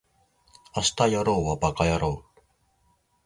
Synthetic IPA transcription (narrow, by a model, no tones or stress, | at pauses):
ast̪ajaɾowabakajaɾo